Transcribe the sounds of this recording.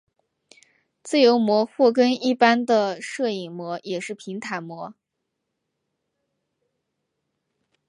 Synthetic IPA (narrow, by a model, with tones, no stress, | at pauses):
t͡sɹ̩˥˩jo˧˥ʊmwɔ˧˥xwɔ˥˩k̬ə˥ni˥˩pa˥nd̪ə˨ʂɤ˥˩i˨˩ŋmwɔ˧˥jɛ˨˩ʂɻ̩˥˩pʰi˧˥ŋt̪ʰa˧˥ɪmwɔ˧˥